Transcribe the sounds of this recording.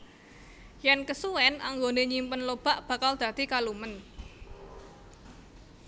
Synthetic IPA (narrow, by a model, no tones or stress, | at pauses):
jankəsuwɛnʔaŋɡoneɲimpənlob̥a̤ʔb̥ä̤kald̪̥ä̤d̪̥ikalumən